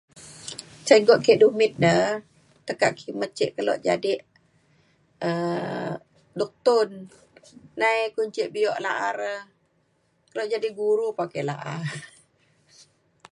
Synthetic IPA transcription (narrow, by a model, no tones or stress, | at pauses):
t͡ʃaɡɔʔkɛʔdumɪt̪̚də | t̪əka̰ʔkʰimət̪̚t͡ʃeʔkəlɔ̰ʔd͡ʒa̰dɪʔ | ə | dɔk̚t̪ʊnː | ajkuɲt͡ʃiʔbiɔʔlaʔaɾə | kəlɔʔd͡ʒadiʔɡuɾupakɛʔlaʔa